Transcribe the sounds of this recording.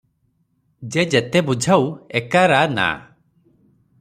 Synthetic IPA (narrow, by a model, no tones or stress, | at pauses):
d͡ʒed͡ʒɛt̪ɛbud͡ʒʱawɛkaɾana̰